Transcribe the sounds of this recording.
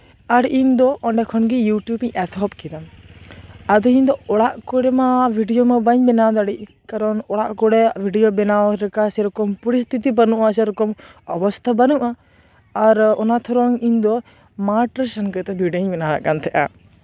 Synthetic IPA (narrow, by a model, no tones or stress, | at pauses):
aɾʔiɲd̪ɔʔɔɳɖɛkʰɔnɡijuʈjubĩɛt̪ʰɔpkid̪an | ad̪ɔĩɲd̪ɔɔɽaʔkɔɽɛmabʱiɖijomabəɲbɛnad̪aɽi | kaɾɔnɔɽaʔkɔɽɛbʱiɖijobɛnaɔɾɛkasɛɾɔkɔmpɔɾist̪ʰit̪ibɐnuʔasɛɾɔkɔmɔbɔst̪ʰabanuʔaː | ɾɔnat̪ʰɔɾɔŋind̪ɔ | maʈəsənkət̪ɛbʱiɖəɲbɛnala̰ʔkant̪ʰɛʔa̰